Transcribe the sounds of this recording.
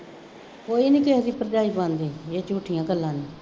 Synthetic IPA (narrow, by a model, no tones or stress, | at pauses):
koːiːnĩːkeɦəsiːpəɾd͡ʒaːiːbãːnd̪eːeːt͡ʃuːʈʰɪjãːɡəlːãːniː